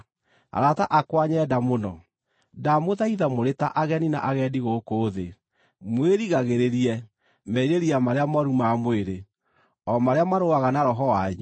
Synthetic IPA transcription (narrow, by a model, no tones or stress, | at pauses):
a̰ɾataʔakwaɲɛːdamonɔ | damoðaiðamoɾetaʔaɣɛnina̰ʔaɣɛːdiɣokoðe | mweɾiɣaɣeɾeɾiɛ | mɛiɾeɾiamaɾeamɔɾumamweɾe | ɔmaɾeamaɾoaɣanaɾɔɦɔwaɲu